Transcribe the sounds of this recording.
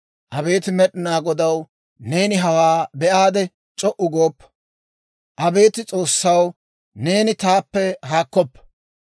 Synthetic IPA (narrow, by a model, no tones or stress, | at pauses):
ʔɐbe̞ːt̪ɪmɛɗɪnaːɡɔd̪ɐw | ne̞ːnɪɦɐwaːbɛʔaːd̪ɛ | t͡ʃʼɔʔʊɡoːpːɐ̥ | ʔɐbe̞ːt̪ɪt͡sʼo̞ːsːɐw | ne̞ːnɪt̪aːpːɛɦaːkːɔpːɐ̥